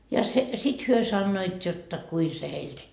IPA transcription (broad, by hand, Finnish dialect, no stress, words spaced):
jɑ se sit hyø sɑnːoit jotːɑ kui se heil